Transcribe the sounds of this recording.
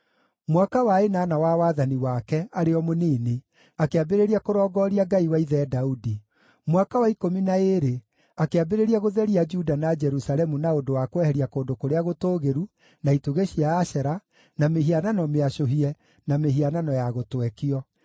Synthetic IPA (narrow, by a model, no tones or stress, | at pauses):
mwakawaenaːnawawaːðaniwakɛaɾeɔmoniːne | akeabeɾeɾiakoɾɔːɡɔːɾiaɡaiwaiðɛdaudi | mwakawaikominaeɾe | akeabeɾeɾiaɣoðɛɾiad͡ʒudanad͡ʒɛɾusalɛmunaondowakwɛhɛɾiakoːndokoɾeaɣotoːɣeɾu | naituɣeɕiaːɕɛɾa | nameɦiananɔmeaʃoɦiɛ | nameɦiananɔjaɣotwɛkiɔ